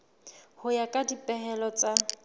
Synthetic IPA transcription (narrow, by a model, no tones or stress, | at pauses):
hʊjakʼadipʼɛɦɛlɔt͡sʼa